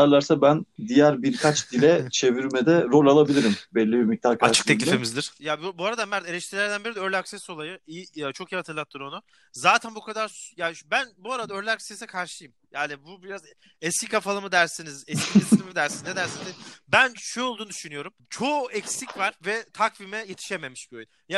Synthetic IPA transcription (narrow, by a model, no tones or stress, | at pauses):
aɾlˠaɾsabænd̪ijæɾbiɾkʰat͡ʃd̪ilʲɛt͡ʃʰe̞viɾmɛd̪ɛɾo̞lʲalˠabilʲiɾimbɛlʲːibiɾmic̚t̪ʰahkʰaɾʃt͡ʃɯ̥k̪ʰɛilifemizd̪iɾ̥jabbuaɾad̪ammæɾd̪ɛeɾɛʃt̪iɾlʲæɾd̪ænbiɾid̪ɛøɾlʲakseso̞lˠajɯijt͡ʃʰokʰijːihat̪ʰɯɾlˠat̪lˠɯɾo̞nʊ | zaːt̪ʰænbukʰad̪aɾsjaːbænbuaɾad̪aøɾlʲaksesɛkʰaɾʃˠjɯmjaːnibubiɾaz | ɛscʲikʰafalˠɯmɯd̪æɾsinizɛscʰʲiesilʲimimid̪æɾsinzd̪ed̪æɾsinizbænʃøjolˠd̪uːnud̪y̥ʃynyjo̞ɾumt͡ʃʰo̞ɛcsicvaɾvɛt̪ʰakvimɛjet̪ʰi̥ʃeme̞miʃbiojn | ja